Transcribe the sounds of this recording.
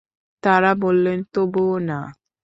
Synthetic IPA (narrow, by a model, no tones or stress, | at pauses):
t̪aɾabolːent̪obona